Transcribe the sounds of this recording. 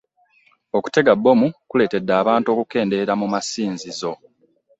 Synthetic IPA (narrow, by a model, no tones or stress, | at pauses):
oku̥te̞ɡabːo̞mukule̞ːte̞dːaːβaːnto̞ːkuke̞ːnde̞ɾamumasiːnzizo̞